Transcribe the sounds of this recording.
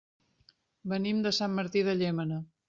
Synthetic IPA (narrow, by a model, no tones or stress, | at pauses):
bənimd̪əsamːəɾt̪iðəʎemənə